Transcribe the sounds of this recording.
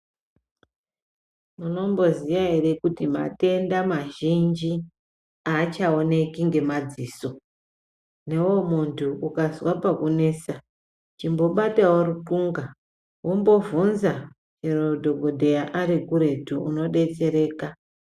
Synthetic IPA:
muno̞mbo̞ziʋaerekutima̰te̞ndamaʒind͡ʒi | at͡ʃao̞ne̞kiŋɡe̞mad͡ziːso̞ | ne̞wo̞muntʰuukazwapakune̞sa | t͡ʃimbo̞ɓataworukuŋɡa | wombo̞vunza | t͡ʃerodʱo̞ɡʱo̞dʱe̞jaʔaɾikuɾe̞tuṵno̞ɗe̞t͡se̞ɾe̞ːka

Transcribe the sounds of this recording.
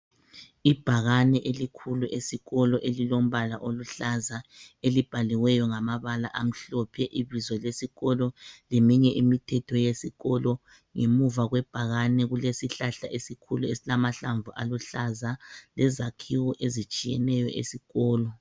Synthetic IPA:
ib̥ʱaɣanɛʔelikʰuluʔesiɣɔlɔʔelilom̩βalaʔoluɬazaelib̥ʱaliwɛjɔŋamaβalaʔam̩ɬɔpʰɛʔiβizɔlesiɣɔlɔlimiɲɛʔimitʰɛtʰɔjesiɣɔlɔ | ŋemuvaɣwɛb̥ʱaɣanɛɣulesiɬaɬa̰ʔesikʰuluesilamaɬaɱvuʔaluɬazalɛzakʰiwɔʔezit͡ʃʼijɛnɛjɔʔḛsiɣɔːlɔ

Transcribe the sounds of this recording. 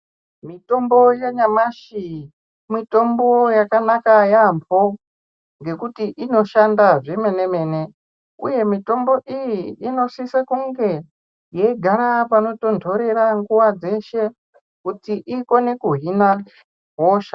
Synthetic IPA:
mito̞mbo̞jeɲamaʃi | mito̞mbo̞jakanakajampo | ŋɡe̞kutiʔino̞ʃandaʐime̞ne̞me̞ne̞ | ṵje̞mito̞mbo̞ʔijiino̞sisakuŋɡe̞ | jeiɡʱaɾapano̞to̞ntʰo̞ɾe̞ɾaŋɡuwad͡ze̞ʃe̞ | kutiʔiko̞nekuɦina | ɦoʃa

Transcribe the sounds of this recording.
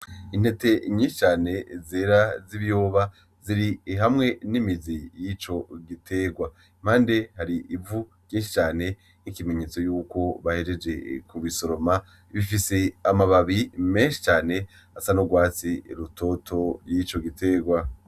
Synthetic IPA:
in̥he̞te̞ɲĩːnʃi̥t͡ʃaːne̞zeːɾaziβjo̞ːβa | ziɾiɦamŋe̞nimizijit͡ʃo̞ɡitʰe̞ːɡwa | im̥haːnde̞haɾiʔːvu | ɡ̥ĩːnʃi̥t͡ʃaːne̞ | nikime̞ɲe̞ːt͡so̞juːko̞βahe̞ɾe̞d͡ʒe̞kuβiso̞ɾo̞ma | βifiseamaβaβime̞nʃi̥t͡ʃaːne̞ | asanoɡwaːt͡siɾutʰo̞tʰo̞jit͡ʃo̞ɡitʰe̞ːɡwa

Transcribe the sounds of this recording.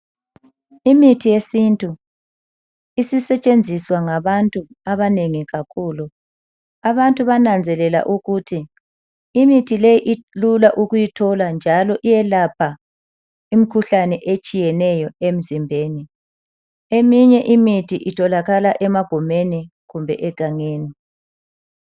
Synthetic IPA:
imitʰijesintʼu | isisɛt͡ʃʼend͡zʱiswaŋaβantʼu | aβaneŋiɣakʰuːlu | aβantʼuβanand͡zʱɛlɛla̰ʔuɣutʰiː | mitʰilejiʔilulaʔuɣujitʰɔland͡ʒʱalɔʔijɛlap̚ʰa | imikʰuɬanɛʔet͡ʃʼijɛnɛjɔem̩zimbʱeːni | emiɲɛʔimitʰiʔitʰɔlaɣalaʔɛmaɡ̥ʱumeni | ɣumbʱɛ̰ʔɛɡ̥ʱaŋeːni

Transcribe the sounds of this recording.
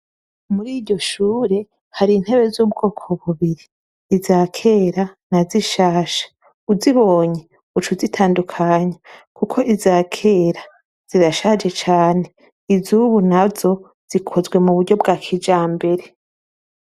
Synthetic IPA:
muɾiːɟo̞ʃuːɾe̞ | haɾin̥he̞βe̞zuːbɡo̞ːkʰo̞βuβiɾiː | zaːkʰe̞ːɾanaziʃaːʃḁ | uziβo̞ːɲe | ut͡ʃuzitʰaːndukʰaɲakukʰo̞ʔizaːkʰe̞ːɾa | z̥iɾaʃaːd͡ʒe̞t͡ʃaːne̞ | izuβunazo̞ | z̥ikʰo̞zɡwe̞muβuɾɟo̞bɡaːkʰid͡ʒaːmbe̞ɾe

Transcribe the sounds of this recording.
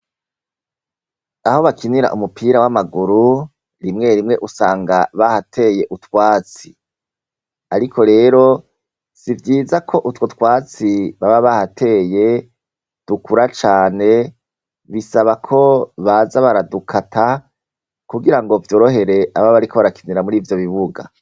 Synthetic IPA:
aho̞βakʰiniɾa̰ʔumupiːɾawamaɡuɾu | ɾimŋe̞ɾimŋe̞ʔusaːŋɡaβahatʰe̞ːje̞ʔutwaːt͡si̥ | aɾikʰo̞ɾe̞ːɾo̞ | sivjiːzakʰo̞ʔutwotwaːt͡siβaβaβahatʰe̞ːje̞ | d̥ukʰuɾat͡ʃaːne̞ | βisaβakʰo̞βazaβaɾadukʰatʰa | kuɡiɾaŋɡo̞vjo̞ɾoɦe̞ɾe̞ʔaβaβaɾikoβaɾakiniɾamuɾiːvjo̞βiβuɡa̰

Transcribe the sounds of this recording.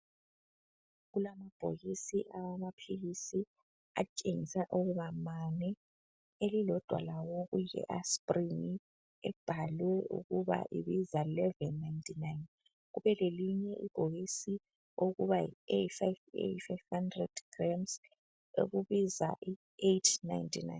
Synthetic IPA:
ɣulamab̥ʱo̰ɣisiʔawamapʰilisi | a̰t͡ʃʼeŋisaʔuɣuβamanɛ | elilɔd̥ʱwa̰lawoɣujɛ̰ʔaspʼriŋi | ɛb̥ʱalwɛṵɣuβa̰ʔḭβizailɛvɛnːajntʰʼinajn | ɣuβɛleliɲɛʔḭɡ̥ʱoɣisi | oɣuβaiefajvḛfajvhandrɛ̰d̥ɡ̥ramz | ḛɣuβiza̰ʔi | etʰna̰jntʼʰina̰jn

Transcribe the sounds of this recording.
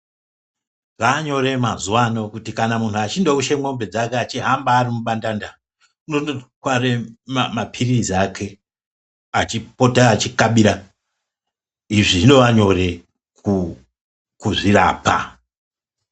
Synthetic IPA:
ʐaːɲo̞ɾe̞mazuwano̞kutikanamuntʰuat͡ʃindokuʃemwombe̞d͡zakeat͡ʃiɦambaːrimuɓandanda | unookwaremmapʰiriziakʰe̞ | at͡ʃipotaːt͡ʃikaɓiɾa | iʐiʐino̞ʋaɲo̞re̞ | ku | kuʐira̰ːpa̰

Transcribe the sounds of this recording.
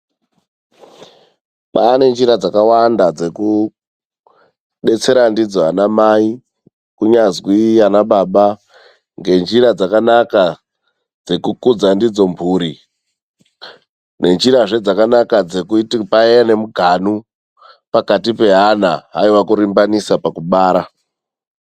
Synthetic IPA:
ɓaːne̞nd͡ʒiɾad͡zakawandad͡ze̞ku | ɗe̞t͡se̞ɾandid͡zoanamai | kuɲazwijanaɓaɓa | ŋɡe̞nd͡ʒiɾad͡zakanaka | d͡ze̞kukud͡zandid͡zo̞mbʱuːɾi | ne̞nd͡ʒiɾaʐe̞d͡zakanakad͡zekutipaeene̞muɡʱanu | pakatipe̞ɦanaɦaiwakuɾimbanisapakuɓaːɾa

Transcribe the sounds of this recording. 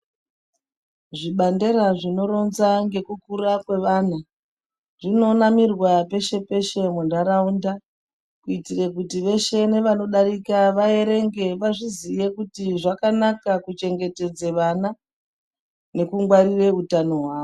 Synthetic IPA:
ʐiɓandeɾaʐino̞ɾo̞nzaŋɡe̞kukuɾakwe̞ʋaːna | ʐino̞namirwape̞ʃe̞pe̞ʃe̞mundaɾaunda | kuitirekutiʋe̞ʃe̞ne̞ʋano̞ɗaɾikaʋae̞ɾe̞ŋɡe̞ʋaʐizije̞kutiʐakanakakut͡ʃe̞ŋɡe̞te̞d͡zeʋana | ne̞kuŋɡwaɾire̞utano̞ɦwaːʋo

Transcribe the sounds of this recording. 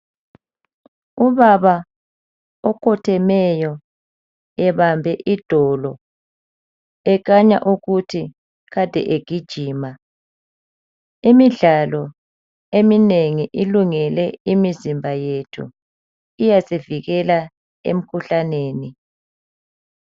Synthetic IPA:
uβaβa | ɔkʰɔtʰɛmɛjɔ | ɛβambʱɛʔid̥ʱɔlɔ | ɛk̬aɲa̰ʔuɣutʰi | ɣad̥ʱɛ̰ʔeɡ̥ʱid̥ʒ̥ʱiːma | imiɮalɔ | emineŋiʔiluŋɛlɛimizimbʱajetʰṵ | ijaseviɣɛla | ḛm̩kʰuɬaneːni

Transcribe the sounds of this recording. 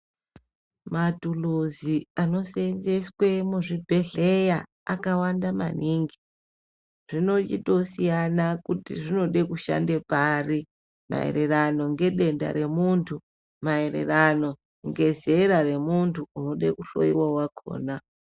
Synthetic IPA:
matuluziano̞senzeswe̞muʐibʱe̞ɮeja | akawandama̰niːŋɡi | ʐ̥ino̞t͡ʃḭɗo̞sijanakutḭʐino̞ɗekuʃa̰ndepari | ma̰ḛɾe̞rano̞ŋɡe̞ɗe̞nda̰ɾe̞muntʰu | maerḛrano̞ | ŋɡe̞ze̞ɾare̞muntʰuːno̞ɗekuɬo̞̰iwawakʰo̰ːna

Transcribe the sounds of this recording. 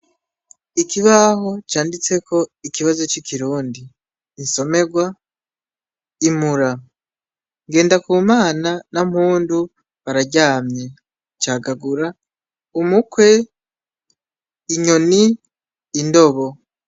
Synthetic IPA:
ikiβaɦo̞t͡ʃaːndit͡se̞kʰo̞ikiβazo̞t͡ʃikʰiɾuːndiː | nso̞me̞ɡwa | imuɾa | ŋɡe̞ːndakuːmaːnanam̥huːndu | βaɾaɟaːmɲe̞ | t͡ʃaːɡaɡuɾa | umukwe̞ | iɲo̞niː | ndo̞βo̞

